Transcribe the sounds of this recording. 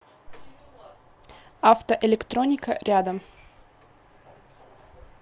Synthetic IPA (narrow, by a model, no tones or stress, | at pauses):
aft̪əʔɪlʲɪkt̪ɾonʲɪkəɾʲʔad̪əm